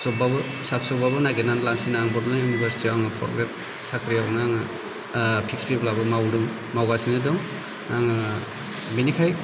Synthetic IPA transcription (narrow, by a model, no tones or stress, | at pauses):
sɔbabɯ | sapʰsɔbabɯnaɡenanlansinaŋbɔdlajunibaɾsi̥tiaŋɯpʰɔ̰ɾɡɾet̚ | sakʰɾijawnaŋɯ | pʰikspiplabɯmawɾɯŋ | mawɡasinɯdɔŋ | naŋɯ | binikʰaj